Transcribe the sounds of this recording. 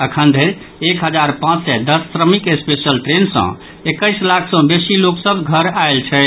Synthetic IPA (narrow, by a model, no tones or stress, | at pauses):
əkʰənd̪ʱeɾ | ekɦəd͡ʒaɾpãt͡ʃsɛd̪əsːɾəmikespesəlʈɾensə̰̃ | ekəɪslakʰsə̃besiloksəbɡʱəɾaelt͡ʃʰɛ